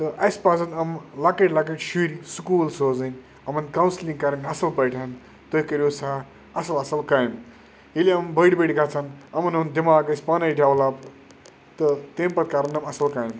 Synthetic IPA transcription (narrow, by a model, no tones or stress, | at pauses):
t̪ɐʔɐsʲpad͡zɐnɐmlakɐʈʲlak̬eʈʃuɾisukuːlsoːzɐn | ɐmɐnkawnslĩŋɡkaɾɐnɐsɐlpɐjʈʰan | t̪ojkɐɾʲjusaː | ɐsɐlɐsɐlkajm | jiliɐmbʱəɽbeɽɡʱat͡sʰanɐmɐnɐnd̪imaːɡɐsʲpanɐjʈʰʲjawlap | t̪ət̪empɐt̪̚kaɾɐnɐmɐsɐlkaːjm